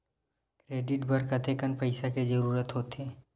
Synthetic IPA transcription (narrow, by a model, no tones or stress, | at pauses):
kɾeːɖɪʈbʱɐɾkət̪ʰekənpɐɪsaked͡ʒɐɾuːɾət̪ɦoːt̪eː